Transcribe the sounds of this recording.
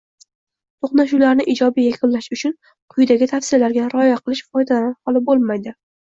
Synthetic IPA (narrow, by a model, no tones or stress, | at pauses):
t̪ʰoχnaʃ̬ulaɾnɪʔɪd͡ʒɒbijakʲʰʊnlaʃʊt͡ʃʰʊn | qʰʊjd̪aɡʲɪt̪ʰafsɪalaɾɡʲaɾɒjaqʰɨlˠɪʃfɒjd̪alanhɒlˠɪbolˠmajd̪ɪ